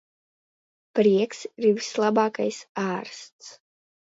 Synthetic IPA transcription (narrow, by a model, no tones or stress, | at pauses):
pɾiɛksiɾvislˠabaːkajsaːɾst̪s